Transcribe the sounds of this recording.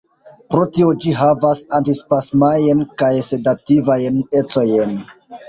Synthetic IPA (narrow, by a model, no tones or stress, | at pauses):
pɾo̞tio̞d͡ʒiɦavasantispasmajenkajse̞dativajene̞t͡so̞jen